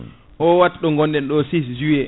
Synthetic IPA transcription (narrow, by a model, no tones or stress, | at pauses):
ʔɔwatɗɔŋɡɔndɛnɗɔsis̬d͡ʒuɛ